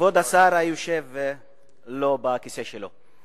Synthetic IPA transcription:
vod̪asaːɾajuʃɛvɛ | lobakisɛʃɛlo

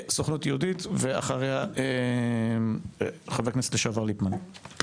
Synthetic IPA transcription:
soχnut̪jeud̪it̪vea̰χaʁeae | χaveknese̥tleʃavaʁlipman

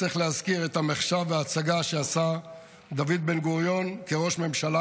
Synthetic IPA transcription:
iχleazkiʁe̞t̪hameχʃaveaːt͡saɡaʃeasa | d̪avid̪̚be̞nɡuʁjo̞nkeʁo̞ʃme̞mʃala

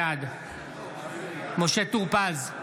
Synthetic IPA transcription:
ad̪ | moʃet̪uʁpaz

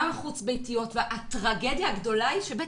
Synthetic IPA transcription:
maχut͡sbejtijo̞tveʔatʁaɡe̞d̪jaːɡdo̞laiʃebe

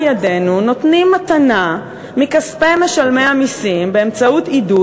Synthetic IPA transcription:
jade̞nuno̞tnimːatana | mikaspeme̞ʃalme̞jamisimbeemt͡sautidu

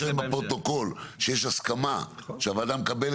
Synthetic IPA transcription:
imbapʁo̞t̪o̞ko̞lʃejeʃaskamaʃeavad̪amkabel

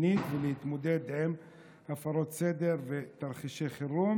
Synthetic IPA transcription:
nit̪velehit̪mod̪ed̪lem | afaɾot̪sed̪eɾvet̪aɾχiʃeχiɾum

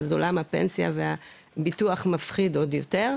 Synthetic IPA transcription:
zo̰lamhapḛnsja̰veha | bituaχmafχido̞djote̞ʁ

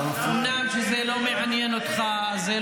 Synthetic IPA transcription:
umnamʃezelo̞meʕanjenot̪χa | ze

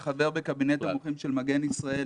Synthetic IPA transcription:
χave̞ʁbekabinetauχimʃelmaɡe̞nisʁae

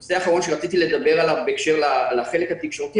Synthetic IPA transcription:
seaχaʁo̞nʃeʁat͡sit̪iled̪abe̞ʁalavbeekʃe̞ʁlalaχe̞lekhat̪ikʃo̞ʁt̪i

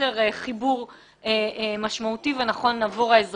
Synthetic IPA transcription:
eʁeχibuʁ | emaʃmautivenaχo̞nːaːvoʁaez

